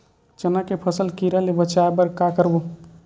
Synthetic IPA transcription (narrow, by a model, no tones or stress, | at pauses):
t͡ʃənakepʰəsəlkiɾalebət͡ʃaebəɾkakəɾbu